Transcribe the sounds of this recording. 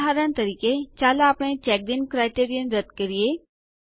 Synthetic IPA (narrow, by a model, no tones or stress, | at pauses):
ɦaːɾãnt̪ɐɾiːket͡ʃaːlaːpɳet͡ʃɛːk̚d̪inkɾaːɪʈeːɾijənɾəd̪kəɾie